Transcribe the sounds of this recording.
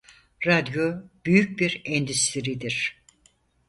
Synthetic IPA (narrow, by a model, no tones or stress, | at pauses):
ɾad̪job̥yjyc̚biɾɛnd̪yst̪ʰiɾid̪iɾ̥